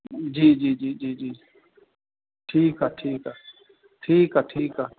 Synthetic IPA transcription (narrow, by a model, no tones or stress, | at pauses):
d͡ʒiːd͡ʒiːd͡ʒiːd͡ʒiːd͡ʒiː | ʈʰiːkɦaːʈʰiːkaː | ʈʰiːkaːʈʰiːkaː